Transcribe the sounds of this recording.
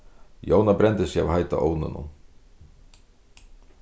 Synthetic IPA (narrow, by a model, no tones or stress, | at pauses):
joːwnabɾɛnt̪ɪsja̰vhajt̪a̰ʔoːwnʏ̰nṵm